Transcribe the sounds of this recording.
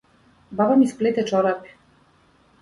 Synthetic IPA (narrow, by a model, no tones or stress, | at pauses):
babamisplet̪ɛt͡ʃɔɾapi̥